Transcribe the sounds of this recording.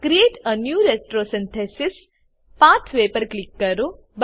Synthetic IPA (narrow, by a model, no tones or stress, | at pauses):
kɾieːʈənjuːɾesʈɾoːsĩnt̪ʰesis | paːt̪ʰʋeːpəɾklikːɐɾu | b